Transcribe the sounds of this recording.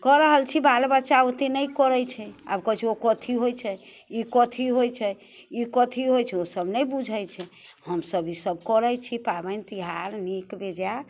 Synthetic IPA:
kɔɾəɦəlt͡ʃʰibalbət͡ʃaot̪enəjkɔɾəjt͡ʃʰɛa̰bkət͡ʃʰiokɔt̪ʰiɦojt͡ʃʰɛ | ikɔt̪ʰiɦojt͡ʃʰɛ | ikɔt̪ʰiɦojt͡ʃʰɛosəbnəjbud͡ʒʱəjt͡ʃʰɛ | həmsəbisəbkɔɾəjt͡ʃʰipabənt̪iɦaɾnikbed͡ʒa

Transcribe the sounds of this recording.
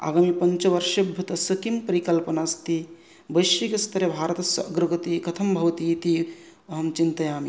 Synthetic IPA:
a̰ːɡaːmipɐɲt͡ʃʋɐɾʃɐbʱɐt̪ɐsɐkimpɐɾikɐlpɐnaːst̪i | bɐʃikest̪ʰɐɾebʱaːɾət̪ɐsɐɐɡɾɐɡɐt̪ikɐt̪ʰɐmbʱɐʋɐt̪it̪i | ɐɦɐmt͡ʃint̪ɐjaːmi

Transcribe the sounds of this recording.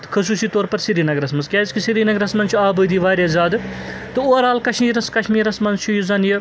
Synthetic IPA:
t̪ɨ̥kʰɐsuːsiːt̪oːɾpɐɾsiɾiːnɐɡɾɐsmɐnskʲaːzkʲisiɾiːnɐɡɾɐsmɐnt͡ʃʰuaːbəːd̪iːʋaːɾʲjazaːd̪ɨ | t̪ɨoːɾaːlkɐʃmiːɾɐskɐʃʰmiːɾɐsmɐnt͡ʃʰujuzɐnjɐ

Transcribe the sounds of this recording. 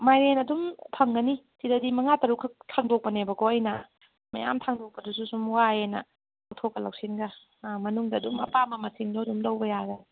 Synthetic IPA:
majɾenɐdumtʰaŋɡɐnisidɐdimɐŋatɐɾukʰtʰaŋdok̚pɐnebɐɡoɐjnɐ | ma̰ja̰mtʰaŋdok̚pɐdususumwaenɐ̰ | awtʰop̚kːɐla̰wsinɡɐ | mɐnuŋdɐːdumɐpamɐmɐsiŋdoɐdumdɐwbɐjaɡɐ

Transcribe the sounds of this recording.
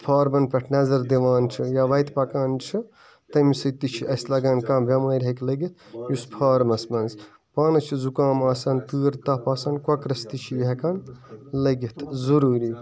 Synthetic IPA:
pʰaːɾmɐnpʲɐʈʰnɐzɐɾd̪iʋaːnt͡ʃʰijaʋɐjt̪pɐkaːnt͡ʃʰi | t̪ɐmsɨt̪it͡ʃʰiʔɐslɐɡaːnkãːbʲjɐmɐːjɾʲɦɐklɐɡit̪̚ʰjuspʰaːɾmɐsmɐnz | paːnɐt͡ʃʰizukãːmaːsɐnpɨːɾt̪ɐpaːsɐnkwɐkɾɐst̪it͡ʃʰiɦɐkanlɐɡit̪ʰzuɾuːɾi

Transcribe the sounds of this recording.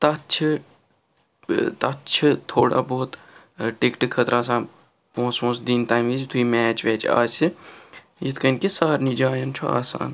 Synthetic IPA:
t̪ɐt͡ʃʰ | t̪ɐt͡ʃʰt̪ʰoːɽa̰boːt̪ | ʈekʈikʰːət̪ɾaːsaːn | põːsmõːsd̪int̪aːmid͡ʒt̪ʰuimɛːt͡ʃʋɛːt͡ʃa̰ːsi | jit̪ʰkɐnkesaːɾnid͡ʒaːjɐnt͡ʃʰua̰ːsa̰ːn

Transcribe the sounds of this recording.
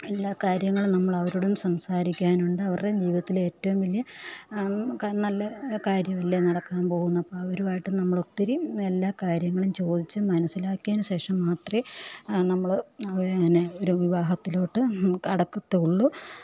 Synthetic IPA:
e̞lːaːkaːɾjɐŋːɐɭunɐmːɐɭɐʋɐɾuɽumsɐmsaːɾikʲːaːnuɳɖɨɐʋɐred͡ʑiːʋiðɐt̪ːile̞ːtːɐʋumʋɐlːjɐ | knɐlːɐkaːɾjɐʋɐlːɐnɐɽɐkːaːnpo̞ːɣunːɐpːoɐʋɐɾuaːjiʈːɨnɐmːɐɭot̪ːiɾie̞lːaːkaːɾjɐŋːɐɭumt͡ɕo̞ːd̪it͡ɕːɨmɐnɐsilaːkʲːaːnuɕe̞ːʂɐmːaːt̪rinɐmːɐɭɐʋɐineoɾuʋiʋaːɦɐt̪ːilo̞ːʈːɨkɐɽɐkːut̪ːeuɭːu

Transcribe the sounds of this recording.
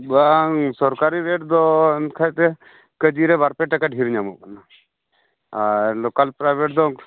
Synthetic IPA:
basɔɾkaɾiɾeʈd̪ɔnkʰajt̪ɛ | kəd͡ʒiɾɛbaɾpɛʈakaɖʱiɾɲamṵkana | alɔkalpɾabeʈd̪ɔ

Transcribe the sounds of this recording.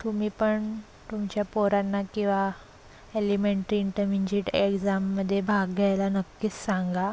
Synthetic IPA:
t̪umiːpəɳ | t̪umt͡ɕjapoɾanːakĩw̃ʋa | elimeɳʈɾiːɳʈəmiɲd͡ʑiʈekd͡zamːəd̪ʱːjebʱaɡɡʱajlanəkːiːssaŋɡa

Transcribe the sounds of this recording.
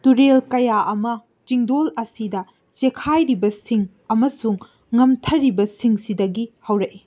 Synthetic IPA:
tuɾelkɐjaʔɐmɐ | t͡ʃiŋdolɐsidɐ | t͡ʃekʰajɾibɐsiŋ | ɐmɐsuŋː | ɐmtʰɐɾːibɐsiŋsidɐɡihɐwɾɐʔi

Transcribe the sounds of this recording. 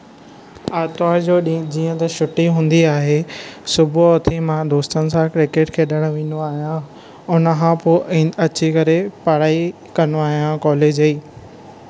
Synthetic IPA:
aːt̪aːɾd͡ʑoːɗĩd͡ʑiːə̃t̪ɐʃʊʈiɦũːn̆d̪iaːɦesʊbʱʊɔːt̪ʰimãd̪oːst̪ənɪ̆sãkɾɪkeːʈkʰeːɗəɽ̃ʋĩːnoaːɦijã | ʊnə̆kãpõɐt͡ɕʰikɐɾepɐɽ̤aːi | kɐnoaːɦijãkɔːleːd͡ʑɐiː

